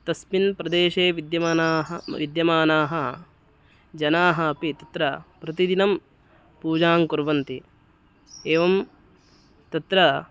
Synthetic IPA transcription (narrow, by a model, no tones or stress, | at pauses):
t̪ɐspinpɾɐd̪eːʃeːʋid̪jɐmaːnaːɦɐʋḭd̪jɐmaːnaːɦɐ | d͡ʒɐnaːɦɐɐpit̪ɐt̪ɾɐpɾɐt̪id̪inɐm | puːd͡ʒaːŋkuɾʋɐnt̪i | eːʋɐm | t̪ɐt̪ɾɐ